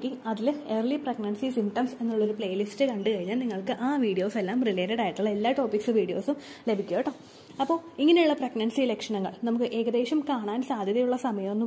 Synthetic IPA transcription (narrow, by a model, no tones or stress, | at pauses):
kːiɐðileːrliprɐɡnɐnsisimʈɐmse̞nːuɭːo̞ɾupɭejɐlistɨkɐɳɖɨkɐɻiɲːaːlniŋːɐɭkɨʔaːʋiːɽijo̞ːse̞lːaːmrileːɾɐɽaːjiʈːɨɭelːaːʈo̞ːpiksɨʋiːɽijo̞ːsɨ | le̞bʱikʲːoːʈːɐː | ɐpːo̞ːiŋːɐne̞juɭːɐprɐɡnɐnsiilekʂɐɳɐŋːɐ̰ɭnɐmukːɨʔe̞ːɣɐðe̞ːʂɐmkaːɳaːnsaːd̪ʱjɐðɐjuɭːɐsɐmɐjɐmo̞nːu